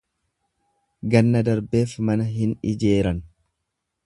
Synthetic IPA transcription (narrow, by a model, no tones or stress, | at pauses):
ɡɐnːɐd̪ɐɾbe̞ːfmɐnɐɦɪnɪd͡ʒe̞ːɾɐn